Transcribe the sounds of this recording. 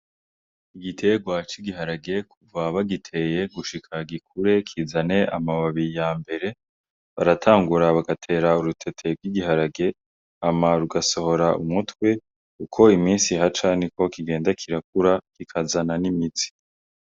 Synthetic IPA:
iɡitʰe̞ɡwat͡ʃiɡiɦaɾaɡe̞kʰuvaβaɡitʰe̞je̞ɡuʃikʰaɡikʰuɾe̞kʰizane̞ʔamaβaβiɾijaːmbe̞ɾe̞ | βa̰ɾatʰaːŋɡuɾaβaɡatʰe̞ːɾauɾutʰe̞tʰe̞ɾɡwiɡiɦaɾaɡe̞ | amaɾuɡaso̞ho̞ɾaumutwe̞ | ukʰo̞imiːnsiɦat͡ʃaniko̞kiɡe̞ːndakʰiɾak̚uɾakikʰazananimit͡si̥

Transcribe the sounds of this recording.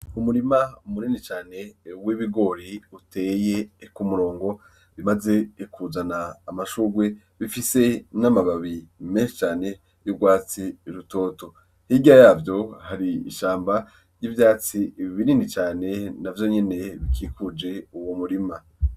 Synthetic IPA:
umuɾimaumuninit͡ʃaːne̞wiβiɡo̞ɾiutʰe̞ːje̞kumuɾo̞ːŋɡo̞ | βimaze̞kʰuzanaːmaʃuːɡwe̞ | βifise̞namaβaβime̞nʃi̥t͡ʃaːne̞ | jubɡwaːt͡siɾuto̞ːto̞ | hiɡiajaːvjo̞haɾiḭʃaːmba | ɾjiːvjaːt͡siβininit͡ʃaːne̞navjo̞ɲe̞ne̞βikʰiːkud͡ʒe̞uwomuɾima

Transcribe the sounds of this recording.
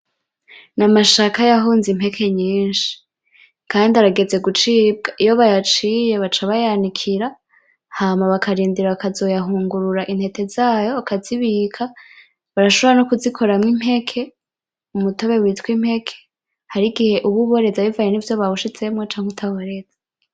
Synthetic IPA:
namaʃakajaɦuːnzim̥he̞kʰe̞ɲiːnʃi̥ | kaːndiaɾaɡeze̞ɡut͡ʃiːb̚ɡaʔijo̞βajat͡ʃije̞βat͡ʃaβajanikʰiɾa | haːmaβakʰaɾiːndiɾakazo̞jaɦuːŋɡuɾuɾaʔin̥he̞te̞zaːjo̞akaziβikʰa | βaɾaʃoβɾanokuzikʰo̞ɾamŋim̥he̞kʰe̞ | umuto̞βe̞wiːtwim̥he̞kʰe̥ | haɾiɡihe̞ʔuβuβo̞ɾe̞zaβivajenivjo̞βaβuʃit͡se̞mŋot͡ʃaːŋ̥hetʰaβoɾezḁ

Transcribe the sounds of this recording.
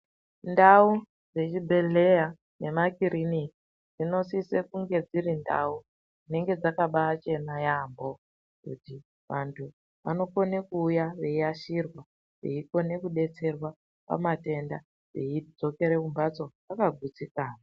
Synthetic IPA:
ndau | d͡ze̞t͡ʃibʱe̞le̞ja | ne̞makiɾini | d͡zino̞sisekuŋɡe̞d͡zirinda̰u | d͡zine̞ŋɡe̞d͡zakaɓaːt͡ʃe̞najambo̞ | kṵti | ʋantʰu | ʋa̰no̞ko̞nekuːjaʋe̞iaʃirwa | ʋe̞̰iko̞ne̞kuɗe̞t͡se̞rwa | pa̰mate̞nda | ʋe̞̰id͡zo̞ke̞ɾekumbat͡so̞ʋakaɡʱut͡sikaːna

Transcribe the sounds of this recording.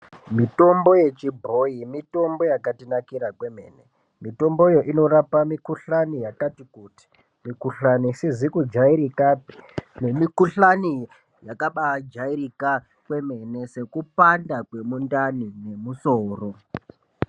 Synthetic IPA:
mito̞mbo̞je̞t͡ʃibʱo̞imito̞mbo̞jakatinakiɾakwe̞mḛnḛ | mito̞mbojo̞ʔino̞ɾapamikuɬanijakatikuti̥ | mikuɬanisizikud͡ʒaiɾikapi̥nemikuɬani | jakaɓad͡ʒaiɾika | kwe̞me̞ne̞se̞kupandakwe̞mundanine̞musoːro̞

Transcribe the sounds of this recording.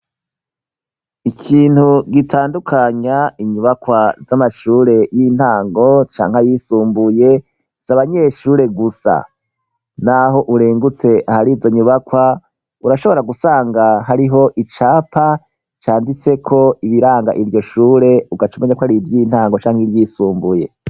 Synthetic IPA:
ikʰiːn̥huɡitʰaːndukʰaɲaiɲuβakwazamaʃuːɾe̞jin̥haːŋɡo̞t͡ʃa̰ːŋ̥hajisuːmbuje̞ | z̥aβaɲe̞ʃuːɾe̞ɡusa̰ | naɦo̞ʔuɾeːŋɡut͡se̞ʔahaɾiːzo̞ɲuβakwa | uɾaʃo̞βo̞ɾaɡusaːŋɡaɦaɾiɦo̞ʔit͡ʃaːpʰa | t͡ʃaːndit͡se̞kʰo̞iβiɾaːŋɡa̰ʔivjo̞ʃuːɾe̞uɡat͡ʃumeɲakwaɾiɾjiːn̥haːŋɡo̞t͡ʃaːŋhiɾjiːsuːmbuje̞̰

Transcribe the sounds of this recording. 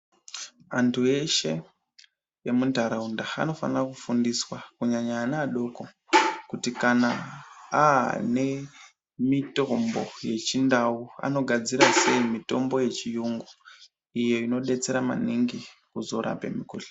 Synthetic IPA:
antʰue̞ʃe̞ | jemundʱaɾaundaa̰no̞fanirakufundiswakuɲaɲaːnaːɗo̞ko̞ | kutikanaane̞ | mito̞mbo̞̰je̞t͡ʃindaua̰no̞ɡʱad͡ziɾase̞imito̞mbo̞je̞t͡ʃijuŋɡu | ijo̞ino̞ɗe̞t͡se̞ɾama̰niŋɡikuzo̞ɾa̰pe̞̰mikuːɬe̥

